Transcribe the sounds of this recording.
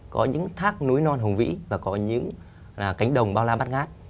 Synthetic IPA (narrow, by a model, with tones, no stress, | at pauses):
kɔ˨˦ɲɨ̰˧˥ŋt̪ʰaː˦˥k̚nu˨˦jnɔ˧nɦə˨˩ŋ͡mvḭ˧˥vaː˨˩kɔ˨˦ɲɨ̰˧˥ŋ˨˩ | ka˨˦jŋ̟ɗə˨˩wŋ͡mɓaː˧wlaː˧ɓaː˦˥t̚ɣaː˦˥t̚